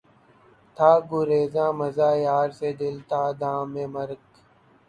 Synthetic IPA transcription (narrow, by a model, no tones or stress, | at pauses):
t̪ʰaːɡʊɾeːzãːmɐzaːjaːɾseːd̪ɪlt̪ʰaːd̪ãːmẽːməɾk